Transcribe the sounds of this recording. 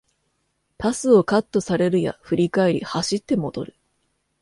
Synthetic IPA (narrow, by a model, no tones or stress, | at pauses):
pasɨo̞kat̪ːo̞saɾe̞ɾɯ̟ja̰ɸɯ̟ɾʲikae̞ɾʲḭhaɕit̪ːe̞mo̞d̪̥o̞̰ɾɯ̟